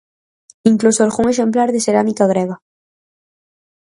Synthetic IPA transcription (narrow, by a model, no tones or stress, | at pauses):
iŋklusoɾɣuŋeʃ̬emplaɾðeseɾamikaɣɾeɣa